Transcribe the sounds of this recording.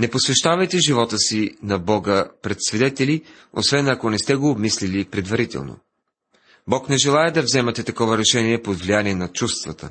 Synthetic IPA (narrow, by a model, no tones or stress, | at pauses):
nɛposvɛʃt̪avɐjt̪ɛʒivɔt̪əsinɐbɔɡəpɾɛt̪svɛd̪ɛt̪ɛli | o̰svɛnɐkonɛst̪ɛɡoːbmislilipɾɛd̪vɐɾit̪ɛ̰lˠno̰ | bɔknɛʒɛlˠaɛd̪ɐvzɛmɛt̪ɛt̪ɐkɔvɐɾɛʃɛniɛpod̪vlijaniɛnɐt͡ʃust̪vət̪ə̰